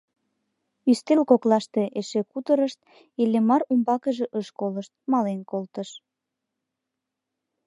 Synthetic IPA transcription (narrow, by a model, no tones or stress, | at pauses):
yst̪elkoklɑʃt̪eʔeʃekut̪əɾəʃt̪̚ | elemɑrumbɑkəʒeʔəʃkoləʃt̪̚mɑlenkolt̪əʃ